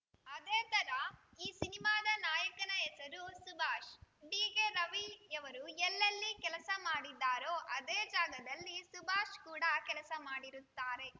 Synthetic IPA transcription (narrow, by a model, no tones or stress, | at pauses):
ɐd̪eːt̪ɐɾɐiːsinimaːd̪ɐnaːjɐkɐnɐɛsɐɾusubʱaːʃɖiːɡeɾɐʋijɐʋɐɾuɛlːɐlːikɛlɐsɐmaːɽid̪ːaːɾoːʔɐd̪eːd͡ʒaːɡɐd̪ɐlːisubʱaːʃkuːɽɐkɛlɐsɐmaːɽiɾut̪ːaːɾe̞